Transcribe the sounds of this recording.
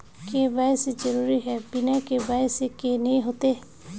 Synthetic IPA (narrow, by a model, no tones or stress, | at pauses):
kebajsed͡ʒəɾuːɾiɦɛbɪnakebajsekenəɦĩɦoːt̪e